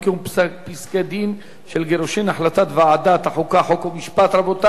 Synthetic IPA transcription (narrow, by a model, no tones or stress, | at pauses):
keumppiskad̪in | ʃelɡeɾoʃenaħlat̪at̪vead̪at̪aħukaħokomiʃpat̪ɾabot̪a